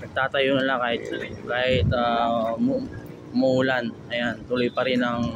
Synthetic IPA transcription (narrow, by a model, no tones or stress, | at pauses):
t̪aːt̪ɐjonɐlakaːhɪt̪̚kaːhɪt̪am | mʊuːlanɐjant̪ʊlʊjpɐɾɪnɐŋ